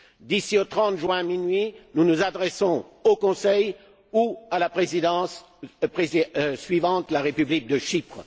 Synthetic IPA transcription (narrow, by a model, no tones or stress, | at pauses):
d̪isiot̪χɑ̃t̪ʒɥɛ̃minɥinunuzad̪ʁɛsɔ̃okɔ̃sɛj | ualapχezid̪ɑ̃s | pχezisɥivɑ̃t̪laʁepyblik̚d̪əʃipχ